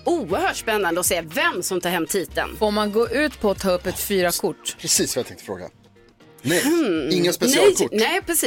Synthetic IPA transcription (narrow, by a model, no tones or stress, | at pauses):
uːəɾhœːʈʂpɛnːand̪əɔseːvɛmːsɔmt̪ʰɑːɾhɛmːt̪ʰiːt̪ə̰nfoːɾmanɡoːʔʉ̟ːt̪pʰɔːt̪ʰɑːɵpːɛt̪fyːɾakʰʊʈːpʰɾɛsiːsɔmjat̪ʰɛ̃ŋkt̪ə̥fɾo̰ːɡa̰ | nɛjɪŋːaspɛlkʊnɛɪpʰɾɛsiː